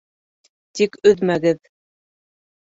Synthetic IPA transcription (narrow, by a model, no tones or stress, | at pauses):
t̪ikɵðmæɡɘð